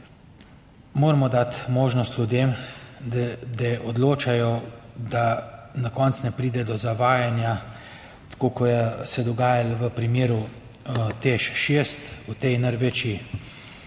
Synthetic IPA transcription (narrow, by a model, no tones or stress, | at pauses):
moːɾmɔd̪at̪moːʒnɔst̪lʲud̪jeːm | d̪ɛʔɔd̪loːt͡ʃajɔd̪anakɔnt̪snɛpɾiːd̪ɛd̪ɔzaʋaːjanja | t̪ḁkoːkɔjɛsɛd̪ɔɡaːjalʋəpɾimeːɾu | t̪eʃʃest̪ut̪ɛjnəɾʋet͡ʃi